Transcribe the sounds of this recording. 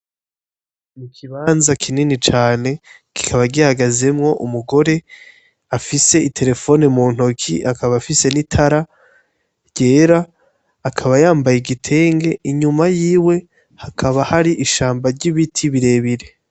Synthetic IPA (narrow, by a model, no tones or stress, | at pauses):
mukʰiβaːnzakʰininit͡ʃaːne̞ki̥kʰaβaɡiahaɡaze̞mŋo̞ʔumuɡo̞ɾe̞ | afise̞itʰe̞ɾe̞fo̞nemuːn̥okʰḭʔakaβafise̞nitʰaɾa | ɟ̥e̞ːɾaː | kʰaβajaːmbajeɡitʰe̞ːŋɡe̞iɲumajiːwe̞ | hakʰaβahaɾiʔiʃaːmbaɾɟiβitʰiβiɾe̞ːβiɾe̞